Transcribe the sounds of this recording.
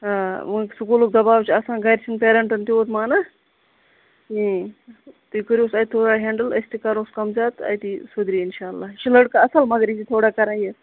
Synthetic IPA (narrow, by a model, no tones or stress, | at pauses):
ɦaːmɨksukuluk̚d̪ɐbaːwt͡ʃʰiɐsãːnɡɐɾt͡ʃʰinpeːɾɐɳʈɐnt̪ioːt̪maːnɐ | ĩ | t̪ikəɾʲjosɐjʲt̪ʰoːɽaːɦẽːɳɖəlɐ̰st̪ikɐɾõːskɐmzaːt̪ɐ̰jt̪isud̪ɾiinʃaːlːaːʃilɐɽkaɐsɐlmɐɡɾit͡ʃit̪ʰoːɽaːkɐɾãːjet̪